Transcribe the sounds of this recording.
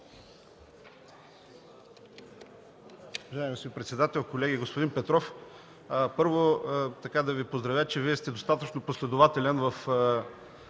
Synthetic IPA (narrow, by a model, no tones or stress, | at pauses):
ʊvɐʒaɛmisipɾɛt̪sɛd̪at̪ɛlˠkolɛɡʲiɡospod̪inpɛt̪ɾɔf | pɤɾvot̪ɐkad̪ɐvipozd̪ɾɐvʲjat͡ʃɛviɛst̪ɛd̪ost̪at̪ət͡ʃnoposlɛd̪ʊvat̪ɛlʲɛnvɐf